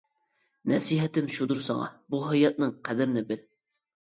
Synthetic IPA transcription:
nɛsiɦɛt̪ɪmʃud̪uɾsɑ̰ŋɑ̰buɦɑjɑt̪̚nɨŋqʰæd̪ɪɾɪnɪbɪl

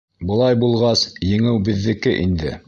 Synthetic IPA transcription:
bɤ̆lˠɑjbulˠʁɑsjɘ̆ŋɘwbɘ̆ðːɘ̆kɘʔind̪ɘ̰

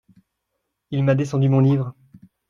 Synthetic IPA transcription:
ilmad̪esɑ̃d̪ymɔ̃livʁ

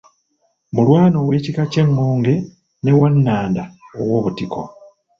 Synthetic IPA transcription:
mulwaːno̞ːwe̞ːcikace̞ŋːoːŋɡe̞ | ne̞wanːaːndaowo̞ːβutiko̞̰

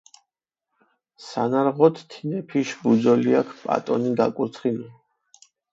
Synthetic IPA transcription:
sanaɾʁɔt̪ʰt̪ʰːinɛpʰiʃbud̪zɔliakʰpʼa̰t̪ʼɔ̰niɡakʼuɾt̪sʰχili

